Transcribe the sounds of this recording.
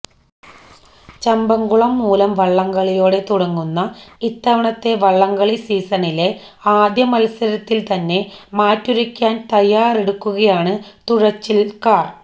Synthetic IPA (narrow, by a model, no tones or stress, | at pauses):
t͡ɕɐmbɐŋɡuɭɐmːuːlɐmʋɐɭːɐŋɡɐɭijo̞ːɽe̞t̪uɽɐŋːunːɐit̪ːɐʋɐɳɐt̪ːe̞ʋɐɭːɐŋɡɐɭisiːsɐɳile̞ | aːd̪jɐmɐlsɐɾɐt̪ːilt̪ɐnːe̞maːtːuɾɐkʲːaːnt̪ɐjːaːreɽukːuɣɐjaːɳɨt̪uɻɐt͡ɕːilkaːr